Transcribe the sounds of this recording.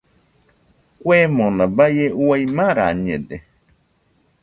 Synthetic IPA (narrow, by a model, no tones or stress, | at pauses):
kʷemõnãbajeuajmãɾaɲẽd̪e